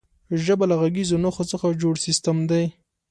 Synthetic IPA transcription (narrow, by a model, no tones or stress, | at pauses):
ʒəbalaɣaɡizonoxot͡səxad͡ʒoɽsɪst̪əmd̪aj